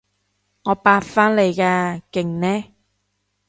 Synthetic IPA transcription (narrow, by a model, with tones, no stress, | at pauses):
ŋɔː˨˧paː˧tfaː˥nle˨˧jkaː˧kɪ˨˩ŋnɛː˥